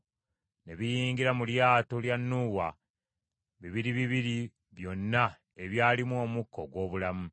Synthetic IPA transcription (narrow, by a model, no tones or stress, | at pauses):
neβijiːŋɡiɾamuljaːto̞ljanːuwa̰ | βiβiɾiβiβiɾi | βjo̞nːa | e̞βjaːlimuo̞ːmukʰːo̞ɡwo̞ːβulamu